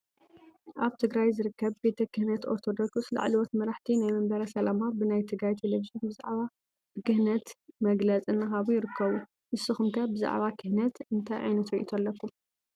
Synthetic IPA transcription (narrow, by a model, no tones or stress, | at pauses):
ʔaβt̪ʰɨɡɾajzɨɾɨkːɐβbe̞t̪ʰɐkɨhnɐt̪ʔo̞̰ɾt̪ʰo̞d̪okssla̰ʕliwot̪mɐɾaħt̪ʰinajmɐmbɐɾɐsɐlamabɨnajt̪ʰɨɡɾajt̪ʰeleviʒonbɨza̰ʕβa | b̥ɨkɨhnɐt̪mɐɡlɐt͡sʼɨnːɨxaβujɪɾɨkʰːɐβu | mɨsːɨxumkʰɐbɨza̰ʕβakʰɨhnɐt̪ɨnt̪ʰajʕa̰jnɐt̪ɾiʔḭt̪ʰɐlːɐkʰːum